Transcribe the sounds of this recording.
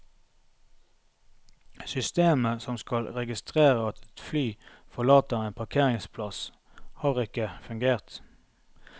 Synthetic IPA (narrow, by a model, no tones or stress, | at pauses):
sʏst̪eːməsɔmskɑlʁɛɡɪst̪ʁeːʁəɑt̪ʰɛt̪flyːfɔlɑːt̪əʁeːnpʰɑʁkʰeːʁɪŋspʰlɑs | hɑːʁɪkəfʉŋɡeːʁt̪